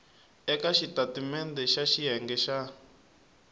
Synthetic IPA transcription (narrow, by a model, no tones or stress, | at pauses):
ɛkaʃitatimɛnd̪ɛʃaʃiɦɛŋɡɛʃa